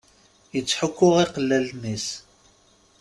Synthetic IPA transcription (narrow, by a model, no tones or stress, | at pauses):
jət͡sːħʊkʷːʊʁiqəlːælnis